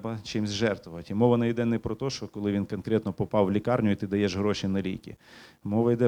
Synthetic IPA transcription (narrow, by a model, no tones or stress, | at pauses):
bɐt͡ʃɪmzʲʒɛrt̪ʊʋɐtʲimɔʋɐnɐjid̪ɛnɛpɾɔt̪ɔʃt͡ʃɔkɔlˠɪʋʲinkɔnkɾʲɛt̪nɔpɔpɑwlʲikɑrnʲʊjʊit̪ɪd̪ɐjɛʒɦɾɔʃinɐlʲḭjkʲḭmɔʋɐjd̪ɛ